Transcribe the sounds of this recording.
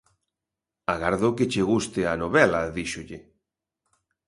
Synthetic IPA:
aɣaɾðʊkɪt͡ʃeɣust̪ɪanoβɛlɐðiʃʊʎɪ

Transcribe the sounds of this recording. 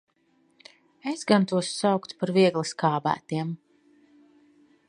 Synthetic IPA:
ezɡant̪uɔsːawkt̪paɾviɛɡlˠɨskaːbæ̰ːt̪iɛm

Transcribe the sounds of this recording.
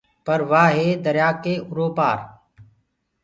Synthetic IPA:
pəɾʋaːɦeːd̪əɾjaːkeːʔʊɾoːpa̰ːɾ

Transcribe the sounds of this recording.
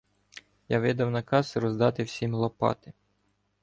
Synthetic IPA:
jaʋɪd̪ɐwnɐkɑsrɔzd̪ɑt̪ɪwsʲimlˠɔpɑ̰t̪ɪ

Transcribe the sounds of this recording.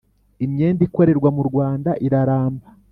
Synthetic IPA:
imɲe̞ːndiko̞ɾe̞ɾɡwamuɾɡwaːndaʔiɾaɾaːmba

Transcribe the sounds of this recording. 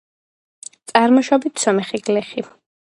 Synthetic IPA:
t̪sʼaɾmɔʃɔbit̪ʰsɔmɛχiɡlɛχi

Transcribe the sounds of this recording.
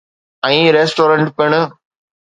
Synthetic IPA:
ɐ̃ĩɾeːsʈoːɾɐɳʈpeɳ

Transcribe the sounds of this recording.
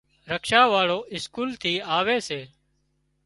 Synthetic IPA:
ɾəkʃaːʋaːɭoːʔɪskuːlt̪ʰiːaːʋeːseː

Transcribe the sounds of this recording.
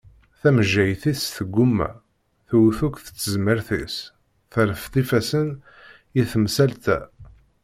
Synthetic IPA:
θæməʒːæjθiθsθəɡʷːʊmːæ̰ | θuwθukθə̥t͡sːəzməɾθḭs | θəɾəft̪ifæsən | jiθəmsælt̪æ̰

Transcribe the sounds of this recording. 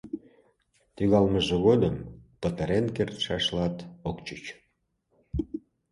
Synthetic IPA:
t̪yɣɑlməʒeɣod̪əmpət̪əɾenkert̪ʃɑʃlɑt̪okt͡ɕət͡ɕ

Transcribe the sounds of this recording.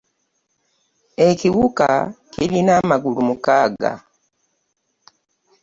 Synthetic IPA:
e̞ciwuka̰ciɾinamaɡulumukaːɡa̰

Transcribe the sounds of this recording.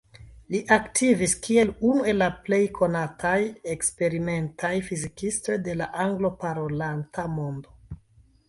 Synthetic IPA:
liʔaktʰiviskie̞lunue̞lːaple̞jkʰo̞natʰajekspe̞ɾime̞ntʰajfizikisto̞jde̞laʔaŋɡlo̞paɾo̞lantamo̞ndo̞

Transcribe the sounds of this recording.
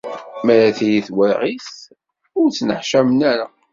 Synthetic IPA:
mæɾæθijiθwəɾʁiθ | ʊɾt͡sːnəħʃæmənæɾa

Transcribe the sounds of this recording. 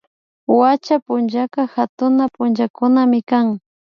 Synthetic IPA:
wat͡ʃapʊnʒakaxat̪ʊnapʊnt͡ʃakʊnamɪkaŋ

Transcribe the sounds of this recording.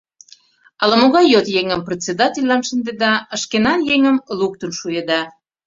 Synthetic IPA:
ɑlɑmoɣɑjjot̪jeŋəmpret͡sed̪ɑtʲelʲːɑnʃə̆nd̪ed̪ɑəʃkenɑnjeŋə̆mluk̚t̪ənʃujəd̪ɑ

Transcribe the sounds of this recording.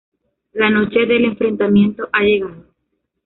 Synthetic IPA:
lanot͡ʃeðele̞ɱfɾe̞nt̪amje̞nt̪oʔaʝe̞ɣaðo

